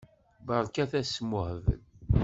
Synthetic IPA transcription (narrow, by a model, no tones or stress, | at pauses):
bəɾˤkæθæsmʊhvə̰l